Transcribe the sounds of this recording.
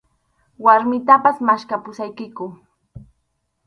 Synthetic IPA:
waɾmɪt̪apasmaʃkapʊsajkɪkʊ

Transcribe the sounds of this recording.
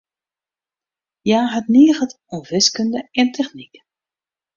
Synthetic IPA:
jaːɦətniːəɣət | ɔmvɪskʏndəɪntʰɛxnik

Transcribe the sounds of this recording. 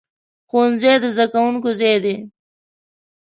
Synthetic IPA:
xonzejd̪əzd̪akawuŋkozejd̪e

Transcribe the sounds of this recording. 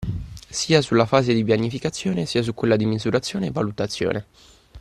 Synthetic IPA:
siːasulːafaːzed̪ipjanːifikat̪sːjoːnesiːas̬ukwelːad̪imizuɾat̪sːjoːneːvːalut̪at̪sːjo̰ːne

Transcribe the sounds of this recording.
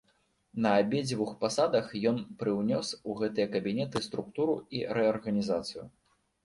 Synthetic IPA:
nɐabʲed͡zʲvuxpasad̪ɐxjɔnpɾɨwnʲɔsuɣɛt̪ɨjɐkɐbʲinʲɛt̪ɨst̪ɾukt̪uɾuiɾɛɐrɣɐnʲizat̪sɨjṵ

